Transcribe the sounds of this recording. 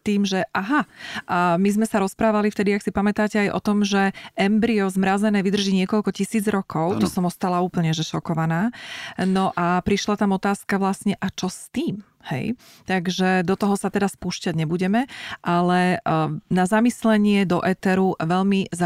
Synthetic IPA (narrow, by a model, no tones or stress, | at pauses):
t̪iːmʒɛʔaɦaʔamizmɛsaɾɔspɾaːʋalift̪ɛd̪iaksipamɛt̪aːcɛajʔɔ̰t̪ɔmʒɛʔɛmbɾiɔzmɾazɛnɛːʋid̪r̩ʒiːɲɪɛkɔʎkɔcisiːd͡zɾɔkɔʊt̪ɔsɔmɔst̪alauːpl̩ɲɛʒɛʃɔkɔʋanaːnɔʔapɾiʃlat̪amɔt̪aːskaʋlasɲɛʔat͡ʃɔst̪iːm | hɛ̰j | t̪aɡʒɛd̪ɔt̪ɔɦɔsat̪ɛd̪aspuːʃcaɟɲɛbuɟɛmɛʔalɛ | nazamislɛɲɪɛd̪ɔʔɛt̪ɛɾuʋɛʎmiza